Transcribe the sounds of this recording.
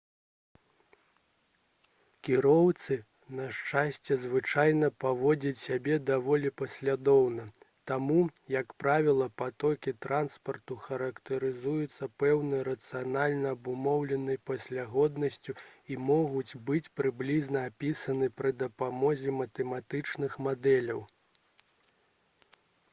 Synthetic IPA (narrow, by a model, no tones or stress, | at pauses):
kʲiɾɔwt̪sɨ | nɐʂt͡ʂasʲt͡sʲɛzvɨt͡ʂajnɐpavɔd͡zʲɐt͡sʲsʲabʲɛd̪avɔlʲipɐsʲlʲad̪ɔwnɐ | t̪amujɐkpɾavʲilˠɐpat̪ɔkʲit̪ɾanspɐrt̪uxɐɾɐkt̪ɐɾɨzujut̪sːɐpɛwnɨjɐɾɐt̪sɨjanalʲnɐːbumɔwlʲɛnɨjpɐsʲlʲaɣɔd̪nɐsʲt͡sʲuimɔɣut͡sʲbɨt͡sʲpɾɨblʲiznɐapʲisɐnɨpɾɨd̪ɐpamɔzʲɛmɐt̪ɛmat̪ɨt͡ʂnɨxmad̪ɛlʲɐw